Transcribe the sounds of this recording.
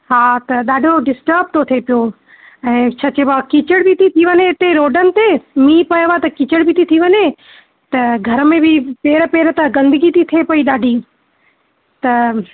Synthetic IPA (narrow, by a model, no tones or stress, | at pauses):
ɦaːt̪ɐɗaːɖʱoɖɪsʈəɾb̚t̪ʰot̪ʰepijo | ɛ̃ːt͡ɕʰɐt͡ɕebakit͡ɕəɽbit̪ʰit̪ʰiʋɐɲeɪt̪eɾoːɖənɪ̆t̪emĩːpɐjʋat̪ɐkiːt͡ɕəɽbit̪ʰit̪ʰiʋɐɲe | t̪ɐɡʱɐɾəmẽbɪpeːɾəpeːɾət̪ɐɡɐ̃nd̪əɡit̪ʰit̪ʰepɐiɗaːɖʱiː | t̪ɐ